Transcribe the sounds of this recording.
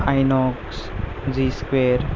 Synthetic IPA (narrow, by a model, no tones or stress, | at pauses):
ajnɔks | ziskweɾ